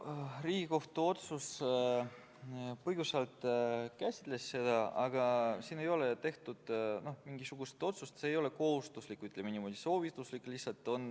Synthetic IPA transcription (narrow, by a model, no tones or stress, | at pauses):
riːɡ̥iko̞ht̪uo̞t̪sus | pɤjɡ̥usɑlt̪kæsʲi̥t̪ˑle̞sːe̞d̪̥ɑɑɡ̥ɑsiːne̞jo̞let̪e̞ht̪ud̪̥no̞hmiŋɡisuɡ̥ust̪o̞t̪sust̪se̞ːjo̞le̞ko̞hust̪uslikːˑyt̪lemenimo̞ːd̪̥ʲiso̞ːvit̪ːˑuslikːˑlihsːɑlt̪ˑːo̞n